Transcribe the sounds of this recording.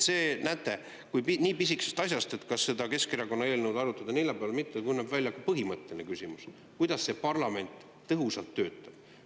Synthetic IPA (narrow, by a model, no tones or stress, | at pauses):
se̞ːnæːt̪ːˑe̞ | kujpiniːpisiksest̪ɑs̬ʲjɑst̪e̞t̪ːkɑsːe̞d̪ɑke̞skeɾɑko̞nːɑe̞ːlnewd̪ɑɾut̪ːˑɑd̪ɑnejlepeɑlmit̪ːeekujnæːbvælʲjɑkupɤɦimɤt̪ːˑe̞linekysʲimus | kujd̪̥ɑsːe̞pɑrlɑme̞nʲt̪ː | ɤɦusɑlt̪ːø̞ːt̪ːˑɑb̥